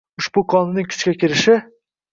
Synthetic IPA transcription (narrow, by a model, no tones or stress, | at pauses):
ʊʃbʊkʰɒnɪnɪŋkʲʰʊ̥t͡ʃkʲakʲʰɪɾɪʃɪ